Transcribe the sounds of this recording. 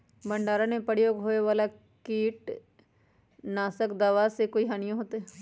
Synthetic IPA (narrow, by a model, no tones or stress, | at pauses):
bə̃ɳɖaːɾanẽpəjoːɡɦoːeʋaːla | kiːʈ | naːsəkd̪aːʋasekoːiɦaːnijãɦoːt̪e